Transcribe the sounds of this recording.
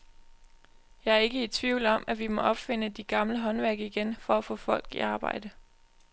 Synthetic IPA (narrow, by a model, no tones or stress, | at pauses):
jɑ̈ɪæɐe̝ɡ̥əit͡sʰʋiʊlɒ̽mʔæʋimɒ̽ʔɒ̽b̥fe̝n̰əd̥iɡ̥ɑ̈mləɦɒ̽nʋæɐ̰ɡ̥əiɡ̥enfɒ̽æfɔ̰̽ːfɒ̽l̰ɡ̥ḭɑ̈ːb̥ɑ̈ɪ̰d̥ə